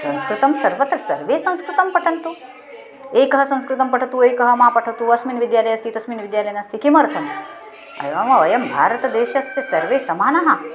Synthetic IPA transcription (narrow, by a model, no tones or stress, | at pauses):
sɐ̃w̃skɾut̪ɐmsɐɾʋɐt̪ɾɐsɐ̰ɾʋeːsɐ̃w̃skɾut̪ɐmpɐʈʰɐnt̪u | eːkɐɦɐsɐ̃w̃skɾut̪ɐmpɐʈʰɐt̪uːeːkɐɦɐmaːpɐʈʰɐt̪uːɐsmiːnʋid̪jaːlɐjɐsiːt̪ɐsmiːnʋid̪jaːlɐjɐnɐsikimɐɾt̪ʰɐn | ɐ̰jʋaːmɐʋɐjɐmbʱa̰ːɾɐt̪ɐd̪eːʃɐsjɐsɐɾʋeːsɐmaːnɐɦɐ